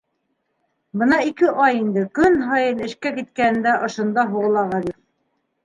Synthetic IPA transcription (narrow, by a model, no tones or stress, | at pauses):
bɤnɑikɘʔɑjind̪ɘkɵnɦɑjɤnɘ̆ʃkækit̪̚kænɘ̆nd̪æʔŏʃɤ̆nd̪ɑɦuʁɤ̆lˠɑʁɑd̪iɾ